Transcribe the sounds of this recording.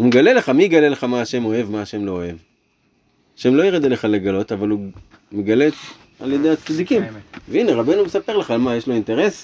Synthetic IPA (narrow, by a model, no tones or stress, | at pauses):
umeɡale̞le̞χamijɡaleleχamaːʃe̞mo̞e̞vmaːʃe̞mlo̞ːe̞v | aʃe̞mlo̞iʁed̪eleχaleɡalo̞t̪avalu | meɡale̞ | a̰ljed̪e̞jat͡sad̪ikimveine̞ʁabe̞numesape̞ʁleχaːlmajeʃlo̞inte̞ʁe̞s